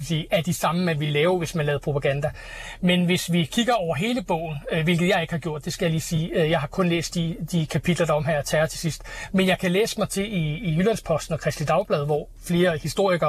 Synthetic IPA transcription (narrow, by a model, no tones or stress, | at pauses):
sḭːæɐd̥isɑ̈məmænʋilɛːʊʋe̝smænlɛːð̩ˠpʰʁo̝pʰæɡ̥ænd̥æ | menʋe̝sʋikʰiɡ̥ɐɒʊ̰ɐɦe̝ːləb̥ɔ̰̽ʊ̰n̩ʋe̝lɡ̥ð̩ˠjɑ̈ɪe̝ɡ̥hɑ̈ɡ̥jo̝ɐ̰d̥ːe̝sɡ̥æjɑliːsiːjɑ̈ɪɦɑ̈kʰɔ̽nlḛːsd̥id̥ikʰæpʰid̥lɐɾ̥ɑ̈ɒ̽mɦæɐ̰ɒt͡sʰɛɐt͡sʰe̝sisd̥menjɑɪkʰælḛːsə̥mɑ̈ɪt͡sʰe̝iːjylænspʰɒ̽sd̥n̩ɒ̽kʰʁɛsd̥lid̥ɑ̈ʊb̥lɛð̞ˠʋɒ | fle̝ːɐhisd̥o̝ɐ̰iɡ̥ɐ